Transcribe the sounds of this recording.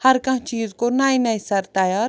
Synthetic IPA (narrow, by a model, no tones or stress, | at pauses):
hɐɾkɐ̃t͡ʃiːzkonaːinaisɐɾt̪aːjaːɾ